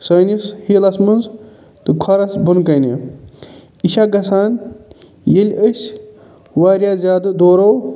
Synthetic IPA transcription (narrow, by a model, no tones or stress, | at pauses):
sɐːnishilɐsmɐnz | t̪ɨkʰɐɾɐsbunkɐjnḛ | iʃaɡɐsaːn | jelʲəsʲ | waːɾʲjaːzʲaːd̪ɨd̪oːɾow